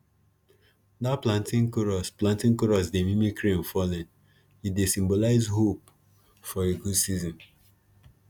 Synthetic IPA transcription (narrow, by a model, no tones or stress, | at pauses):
daplãntĩŋkoɹɔsplãntĩŋkoɹɔs̬demimikɾẽnfɔlɛ̃n | idesĩmbolaɪzɦop̚ | fɔeɡudsizɔ̃n